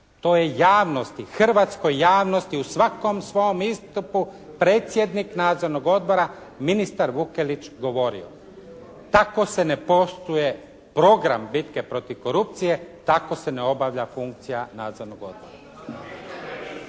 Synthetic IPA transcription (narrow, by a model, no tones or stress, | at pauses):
t̪o̞ːje̞jaːʋno̞st̪ixr̩ʋat̪sko̞jːaːʋno̞st̪iusʋako̞msʋo̞jomist̪upu | pɾe̞ːt̪sje̞d̪niknaːd̪zo̞ɾnoɡo̞d̪̚bo̞ɾa | minist̪aɾʋukelit͡ʃɡo̞ʋo̞ɾḭo̞̰ | t̪ako̞se̞ne̞po̞st̪uje̞ | pɾo̞ɡɾa̰mbit̪ke̞pɾo̞t̪iʋko̞ɾup̚t̪sije̞t̪ako̞se̞neo̞baʋʎafuŋk̚t̪sijanaːd̪zo̞ɾnoɡo̞̰d̪̚bo̞ɾa̰